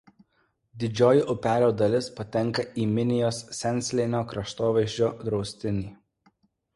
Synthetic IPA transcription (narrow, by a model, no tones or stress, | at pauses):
d̪ʲɪd͡ʒʲoːjɪʔʊpʲæːlʲoːd̪ɐlʲɪspɐt̪ʲɛŋˑkɐʔiːmʲɪnʲɪjoːsːʲɛnʲˑsʲlʲɛɪnʲoːkɾɐʃt̪oːʋʲɛʒʲd͡ʒʲoːd̪ɾɒʊsʲt̪ʲɪnʲiː